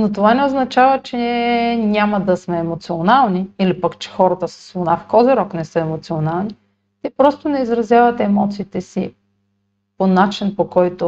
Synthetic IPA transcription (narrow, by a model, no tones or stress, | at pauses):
not̪ovanɛoznɐt͡ʃavɐt͡ʃɛninʲamɐd̪ɐsmɛːmot̪sionalˠniilipəkt͡ʃɛ̥xɔɾɐt̪əsə̥sːlˠʊnafkɔzɛɾɔknɛsɤəɛmot̪sionalˠni | t̪ɛpɾɔst̪onɛizɾɐzjavɐt̪ɛɛmɔt̪siːt̪ɛsḭ | ponat͡ʃinpokɔjt̪ʊ